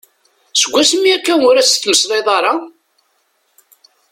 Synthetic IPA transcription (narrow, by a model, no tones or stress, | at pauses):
səɡʷːæsmiækːænʊɾæsθməsðˤeðˤɑɾˤɑ